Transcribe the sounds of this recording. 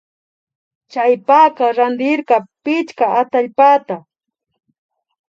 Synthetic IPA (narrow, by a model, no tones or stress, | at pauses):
t͡ʃajpaqɑɾand̪ɪɾqɑpɪt͡ʃkaat̪aʎpat̪a